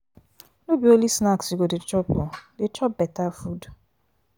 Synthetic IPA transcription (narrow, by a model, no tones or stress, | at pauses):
nobiolisnaksiɡodɪt͡ʃɔpʊdɪt͡ʃɔp̚bɛtafud